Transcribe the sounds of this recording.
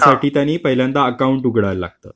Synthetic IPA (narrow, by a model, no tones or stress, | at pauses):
səʈiːt̪janiːpəɦiljãnt̪aəkauɳʈuɡɽaɾla̰ɡ̚t̪ə̰ː